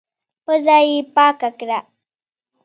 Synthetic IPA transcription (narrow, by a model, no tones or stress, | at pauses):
pəzajipaːkakɾa